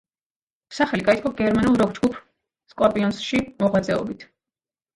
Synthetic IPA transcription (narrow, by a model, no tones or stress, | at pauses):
saχɛliɡait̪kʰɔɡ̥ɛɾmanulˠɾɔk̚ʰd͡ʒɡupʰ | skʼwapʼiɔnsʃimɔʁwad̪zʼɛɔ̰bit̪ʰ